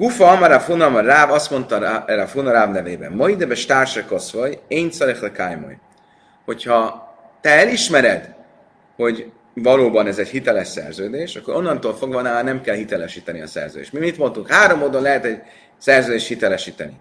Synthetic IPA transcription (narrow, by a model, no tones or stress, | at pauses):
ɡufɒɒmɒɾafunɒmɒraːvɒst̪mo̞nt̪ɒɾafunɒɾaːvnɛveːbɛ̰mmɒid̪ɛbɛʃt̪aːrʃɛko̞svojent̪sɒɾeχd̪ɛkajmo̰j | ho̞chɒ | t̪ɛɛliʃmɛɾɛd̪ | ho̞ɟ | vɒloːbɒnɛzɛɟhit̪ɛlɛʃsɛ̰rzøːd̪eːʃɒkːo̞ɾo̞nːɒnt̪oːlfo̞ɡvɒnaːlnɛmkɛlhit̪ɛlɛʃiːt̪ɛniɒ̰sɛ̰rzø̰ːdḛːʃt̪mimit̪mo̞nt̪uŋkhaːɾo̞mːoːd̪o̞nlɛɦɛt̪ɛɟ | sɛrzøːd̪eːʃhit̪ɛlɛʃiːt̪ɛnḭ